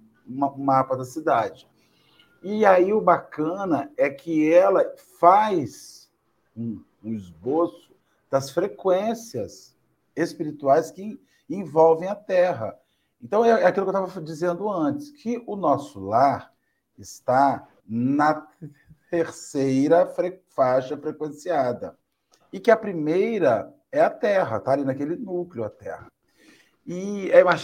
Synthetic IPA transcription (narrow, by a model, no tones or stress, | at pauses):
mʊmapɐd̪ɐsid̪ad͡ʒɪ | iaiʊbakɐ̃nɐɛkʰɪɛlɐfajs | ũː | ɪzbosʊ̥ | d̪̥ɐsfɾekwẽsiɐs | espiɾit̪uajskɪ | ẽvɔwvẽj̃ɐt̪ɛɦɐ | ẽnt̪ɐ̃w̃ɛɛɐkilʊkewt̪avɐd͡ʒizẽnd̪ʊɐ̃t͡ʃɪ̥skʰɪʊnɔsʊlaɾ | ɪst̪a | nɐ | t̪eɾsejɾɐfɾefaʃɐfɾekwẽsiad̪ɐ̰ | ɪkɪɐpɾimejɾɐ | ɛɐt̪ɛɦɐ̰t̪aːlinɐkelɪnuklɪʊɐt̪ɛ̰hɐ | ɪɛima